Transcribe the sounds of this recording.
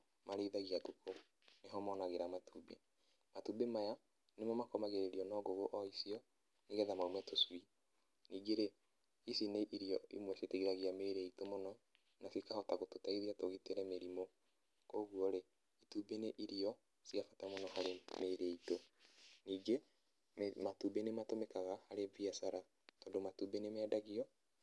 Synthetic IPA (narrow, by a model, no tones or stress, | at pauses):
maɾeiðaɣiakuko | neɦɔmɔnaɣeɾamatuːbḛ | matubemaja | nemɔmakɔmaɣeɾeɾiɔnɔɣoɣoʔɔisiɔ | neɣɛðamaumɛtoswi | niːɡeɾe | isineʔiɾiɔimwɛseteiðaɣiameɾeitomonɔ | nasikahɔtaɣototaiðiatoɣiteɾɛmeɾimo | koːɣuɔɾe | ituːbeneʔiɾiɔ | siafatamonɔhaɾemeɾeitoniːɡe | matubenematomekaɣahaɾeviasaɾa | tɔːndomatubenemɛːdaɣiɔ